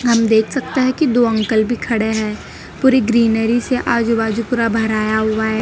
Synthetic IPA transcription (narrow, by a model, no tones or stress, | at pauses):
ɦɐmd̪eːkʰsɐk̚t̪eɦɛ̃kid̪oːə̃ŋkəlbʱikʰɐɽeɦɛː | puːɾiɡɾiːnəɾiseʔaːd͡ʒubaːd͡ʒupʊɾabʱɐɾaːjaɦʊaɦɛː